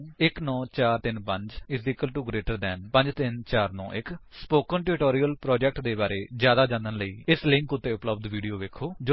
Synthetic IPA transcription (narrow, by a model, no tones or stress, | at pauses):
ɪknɔ̃ːt͡ʃaːɾt̪ɪnpə̃ɲd͡ʒɪsd̪ikːəlʈuːɡɾeːʈəɾd̪ɛːnpəɲd͡ʒt̪ɪnt͡ʃaːɾnɔ̰̃ːʔɪkspoːkənʈɛɾɪʈoːɾiːəlpɾɔːd͡ʒɛk̚ʈd̪eːbaːɾeːzjaːd̪aːd͡ʒãnd̪ənləiːɪslɪ̃ŋkʊt̪ːeːʊpləbd̪ʋiːɖijoːʋeːkʰoːd͡ʒ